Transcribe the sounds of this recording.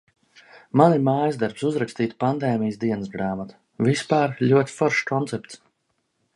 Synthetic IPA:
manimaːjzd̪aɾpsuzɾakst̪iːt̪pand̪ɛːmʲijəsd̪iɛnəsɡɾaːmat̪ḁ | vispaːɾlʲuɔt̪ʲi̥fɔɾʃkɔnt̪sɛp̚t̪s

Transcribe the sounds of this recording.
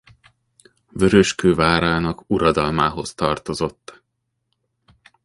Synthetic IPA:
vø̞ɾø̞ʃkøːvaːɾaːnɒkuɾɒd̪ɒlmaːɦo̞st̪ɒrt̪o̞zo̞t̪ː

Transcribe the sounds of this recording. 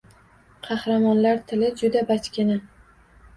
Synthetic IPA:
qʰɑhɾamɒnlaɾt̪ʰɪlɪd͡ʒʊd̪abat͡ʃkʲɪnɪ

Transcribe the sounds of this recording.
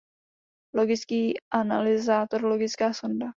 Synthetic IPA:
lo̞ɡɪt͡skiːʔana̰lɪzaːt̪oɾloɡɪt͡skaːsonda

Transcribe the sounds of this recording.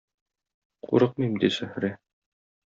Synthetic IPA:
qṵɾɤq̚mimd̪isæhɾɘ

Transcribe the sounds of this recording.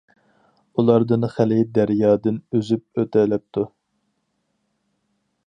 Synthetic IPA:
ulˠɑɾd̪ɨnχælɪd̪æɾjɑːd̪ɪnøzyp̚øt̪ʰɛlɛp̚t̪ʰu

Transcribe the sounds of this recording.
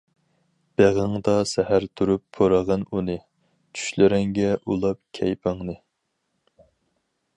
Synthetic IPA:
b̥eʁəŋd̪ɑsɛhæɾt̪ʰuɾupːʰoɾəʁɑnunɨ | t͡ʃʰy̥ʃlɪɾɛŋɡʲɛʔulˠɑp̚kʲʰɛjpʰɑŋnɨ

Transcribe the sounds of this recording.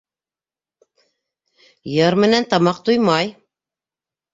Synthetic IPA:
jɤɾmɘ̆nænt̪ɑmɑq̚t̪ujmɑj

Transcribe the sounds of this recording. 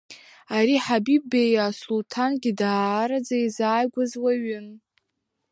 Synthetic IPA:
aɾiħabib̚bejasultʰanɡʲidaɾad͡zaizaːjɡʷazwaɥɪn

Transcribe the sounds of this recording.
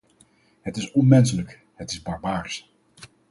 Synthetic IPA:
ɦətɪsɔnmɛns̬ələk | ɦətɪzbɑɹbaːɹs

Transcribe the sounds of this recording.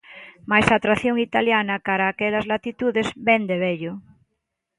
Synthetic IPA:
majsat̪ɾaθjoŋit̪aljanɐkaɾaːkɛlɐzlat̪it̪uðezbɛnd̪eβeʎʊ

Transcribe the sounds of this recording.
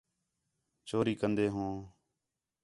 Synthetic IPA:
t͡ʃoːɾiːkənd̪eːɦõː

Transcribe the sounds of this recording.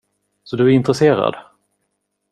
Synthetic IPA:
sɔd̪ɵæɾɪnt̪ɾɛseːɾa̰d̪

